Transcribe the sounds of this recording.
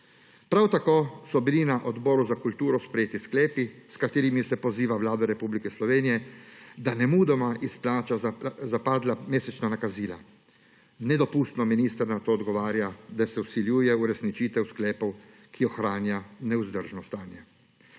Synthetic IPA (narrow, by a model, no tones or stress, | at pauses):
pɾawt̪akoːsɔbilinaʔɔd̪bɔːɾuzakult̪uːɾɔspɾɛjeːt̪isklɛːpiskat̪eːɾimisɛpɔziːʋaʋlaːd̪ɔɾɛpublikɛslɔʋeːnijɛd̪anɛmuːd̪ɔmaʔisplaːt͡ʃazapaːd̪lameːsɛt͡ʃnanakaziːla | nɛd̪ɔpuːst̪nɔminiːst̪əɾnat̪oːd̪ɡɔʋaːɾjad̪asɛwsiljuːjɛuɾɛsnit͡ʃiːt̪ɛwsklɛːpɔw | kʰiɔxɾaːnjanɛuzd̪əɾʒnɔst̪aːnjɛ